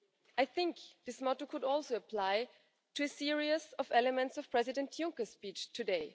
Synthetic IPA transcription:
ʔaɪθɪ̃ŋkðɪsmɔtokʰʊɾɔlˠsoʊəpʰl̥aɪ | tʰɨɨsɪɹiɨsʌvɛləmɛ̃ntsʌv̥pʰɹ̥ɛzɪdɨ̃ntʰjʊ̃ŋkəspit͡ʃtʰɨdeɪ

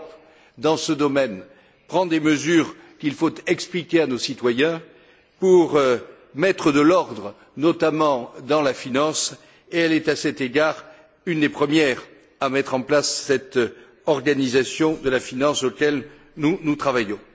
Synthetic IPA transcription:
p | d̪ɑ̃səd̪ɔmɛn | pχɑ̃d̪eməzyʁkilfot̪ɛksplikʲeanosit̪wajɛ̃ | puʁ | mɛt̪χəd̪əlɔʁd̪ʁə | nɔt̪amɑ̃d̪ɑ̃lafinɑ̃s | eɛlɛt̪asɛt̪eɡaʁ | ynd̪epχəmjɛʁ | amɛt̪χɑ̃plasːɛt̪ | ɔʁɡanizasjɔ̃d̪əlafinɑ̃sokʲɛl | nunut̪χavajɔ̃

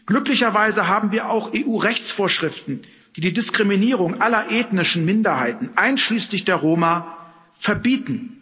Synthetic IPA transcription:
ɡ̥lʏklɪçɐvaɪzəɦaːbm̩viːɐʔaʊxeːʔuːʁɛçt͡sfoːɐʃʁ̥ɪftn̩ | d̥iːdiːdɪskʁ̥iminiːʁ̞ʊŋʔalɐʔeːtnɪʃn̩mɪndɐɦaɪtn̩ʔaɪnʃliːslɪçd̥eːɐʁoːma | fɛɐbiːtn̩

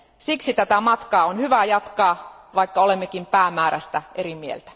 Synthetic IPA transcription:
siksit̪æt̪æmɑt̪kɑːonhyʋæjɑt̪kɑː | ʋɑikːɑolemːekimpæːmæːɾæ̰st̪æʔeɾimiḛlt̪æ̥

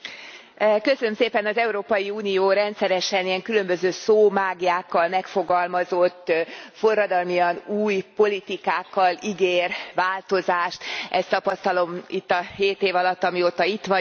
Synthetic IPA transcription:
køsønømseːpɛnɒzɛuɾoːpɒjiuːnijoːɾɛnt̪sɛɾɛʃɛnijɛŋkylø̞mbøzøːsoːmaːɡijaːkːɒlmɛkfo̞ɡɒlmɒzo̞t̪ːfo̞rːɒd̪ɒlmijɒnuːjpo̞lit̪ikaːkːɒliɡeːrʋaːlt̪o̞zaːʃt̪ɛst̪ɒpɒst̪ɒlo̞mḭt̪ːɒheːt̪eːvɒlɒt̪ːɒmioːt̪ɒit̪ʋɒ

